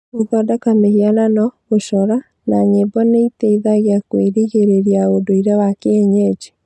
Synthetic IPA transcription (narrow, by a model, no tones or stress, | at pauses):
oðɔdakamehiananɔ | oʃɔɾa | naɲebɔneitɛiðaɣjakweɾiɣeɾeɾiaodoiɾɛwakeɛɲɛd͡ʒi